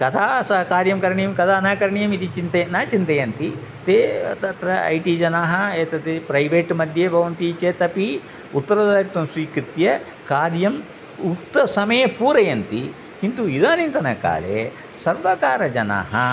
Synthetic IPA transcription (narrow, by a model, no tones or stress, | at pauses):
kɐt̪ʰaːsɐkaːɾjɐmkɐɾɐɳijɐmkɐt̪ʰaːɐnaːkɐɾɐɳijɐmit̪it͡ʃint̪ɐjɐnaːt͡ʃint̪ɐjɐnt̪it̪eːɐ̰t̪ɐt̪ɾɐɐ̰jʈid͡ʒɐnaːɦɐeːt̪ɐt̪epɾɐjʋeːʈmɐd̪ʱjebʱɐʋɐnt̪it͡ʃeːt̪ɐpi | ut̪ːɐɾɐd̪aːɾit̪ːɐmsʋiːkɾit̪jɐ | kaːɾjɐm | ut̪ːɐsɐmɐjɐpuːɾɐjɐnt̪i | kint̪uid̪aːnint̪ɐnɐka̰ːlḛ | sɐɾʋɐkaːɾɐd͡ʒɐna̰ːɦɐ